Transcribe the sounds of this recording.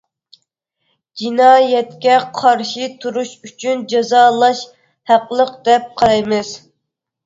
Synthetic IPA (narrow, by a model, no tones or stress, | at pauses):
d͡ʒinɑːjɛt̪kʲɛqʰɑɾʃit̪ʰuɾuʃyt͡ʃʰynd͡ʒɑzɑːlˠɑʃ | hæqlˠəqd̪ɛp̚qʰɑɾɑjmɨz̥